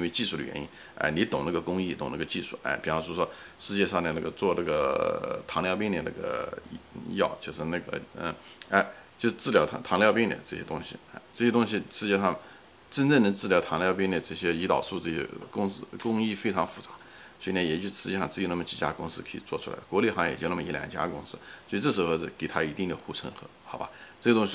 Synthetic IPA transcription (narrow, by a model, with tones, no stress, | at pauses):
i˥nwe˥˧ɪt͡ɕi˥˧ʂu˥˩ə̰˩ɥɛ̰˧˥ni˥n | a̰˥˧ɪni˧˥t̪ʊ˨˩ŋna˥˩ɡə˩kʊ˥ŋi˥˩t̪ʊ˨˩ŋna˥˩ɡə˧t͡ɕi˥˧ʂu˥˩a̰˥˩ɪpi˨˩fʂwɔ˥ʂwɔ˥ | ʂɻ̩˥˧t͡ɕjɛ˥˧ʂɑ˥˧ŋnə˧na˥˩ɡə˩t͡swɔ˥˧na˥˩ɡə˩t̪ʰɑ˧˥ŋljɑ˥˧ʊp̬i˥ŋnd̪i˧˩na̰˥˩ɡə̰˩ | jɑ˥˩ʊt͡ɕjo˥˧ʂɻ̩˧˥˧na˥˩ɡə̰˩ə̰˥˩a˥˩ɪ | t͡ɕjo˥˧ʊʂɻ̩˥˧ʈ͡ʂɹ̩˥˩jɑ˧˥ʊt̪ʰt̪ʰɑ˧˥ŋljʊpi˥nd̪ə̰˨˩ʈ͡ʂɤ˥˩ɕjɛ˥t̪ʊ˥ŋɕḭ˨a˥˩ɪʈ͡ʂɤ˥˩ɕjɛ˥t̪ʊ˥ŋɕ̬i˧ʂɻ̩˥˧t͡ɕjɛ˥˧ʂɑ˥˩ŋ | ʈ͡ʂə˥nt͡sə˥˩ŋnə˧˥ŋt͡sɹ̩˥˩jɑ˧˥ʊt̪ʰɑ˧˥ŋljɑ˥˧ʊp̬i˥nd̪ə˨˩ʈ͡ʂɤ˥˩ɕjɛ˥i˧˥t̪ɑ̰˨˩ʊʂu˥˧ʈ͡ʂɤ˥˩ɕɛ̰˥kʊ˥ŋs̩˥˧kʊ˥ŋi˥˩fe˥ɪʈ͡ʂʰɑ˧˥ŋfu˧˩t͡sa˧˥ | swɔ˧˥i˧˩na˥˩jɛ˨˩t͡ɕjo˥˧ʊʂ̩˧ʂɻ̩˧˥jɛ˥˩ɑ˥˧ŋt͡sɹ̩˥˩o˧˥˦na˥˩ə˩t͡ɕi̥˧˥˩t͡ɕja̰˥kʊ˥ŋsɹ̩˥kʰə˧˥˩ḭ˨˩t͡swɔ˥˩ʈ͡ʂʰu˥la̰˧˥ɪə˩kwɔ˧˥le˥˩xɑ˧˥ŋjɛ˨˩t͡ɕo˥˧ʊna˥˩m˩˧˥ljɑ̰˧˥nt͡ɕja̰˥kʊ̰˥ŋsɹ̩˥swɔ˥˧i˧ʈ͡ʂɤ˥˩ʂ̬ɻ̩˧˥xo˧ʊ˥˩ke˨˩ɪt̪ʰa˥i˧˥t̪i˥˩ŋd̪ə˩xu˥˩ʈ͡ʂʰə̰˧˥ŋxɤ̰˧˥˦xɑ˧˥ʊba̰˧˥t͡sɤ˥˩ɕə˧t̪ʊ˥ŋɕi˧